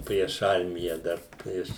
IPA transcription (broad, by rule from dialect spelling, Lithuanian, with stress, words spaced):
pʲrʲiɛʃ ˈɐrʲmʲɪjɛ ˈdɐr pʲrʲiɛʃ